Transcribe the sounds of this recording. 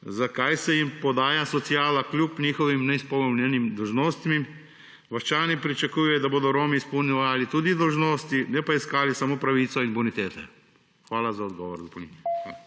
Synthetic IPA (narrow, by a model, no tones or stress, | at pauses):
zakajsɛjimpɔd̪aːjasɔt̪sijaːlaklʲjupnʲiːxɔʋimnɛispɔwnʲɛnimd̪ɔwʒnoːst̪mi | ʋɐʃt͡ʃaːnipɾit͡ʃakuːjɛd̪aboːd̪ɔɾoːmiːspɔwnjɛʋaːlit̪uːd̪id̪ɔwʒnoːst̪inɛpaiskaːlisamoːpɾaʋiːt̪sɔinbunit̪eːt̪ɛ | xʋaːlazaɔd̪ɡɔːʋɔɾd̪ɔpɔwninɛa